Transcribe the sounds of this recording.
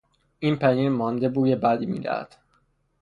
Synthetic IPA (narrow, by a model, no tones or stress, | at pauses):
ʔiːnpʰæniːɾmɒːnd̪ebuːjebæd̪iːmḭːd̪æ̰hæ̰d̪̥